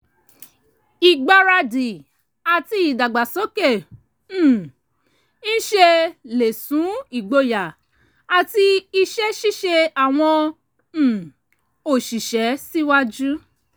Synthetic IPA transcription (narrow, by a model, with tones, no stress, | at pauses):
i˨ɡ͡ba˧ɾa˧di˨ | a˨ti˧˦i˨da˨ɡ͡ba˨sɔ˨˦kẽ˦˨ | n̩˦ʃe˧le˨sũ˨˦i˨ɡ͡bo˧ja˨ | a˨ti˧i˧ʃɛ˦ʃi˦ʃe˧a˨w̃ɔ̃˧˦˨ | o˦˨ʃi˨ʃɛ˨˦si˦wa˦d͡ʒu˦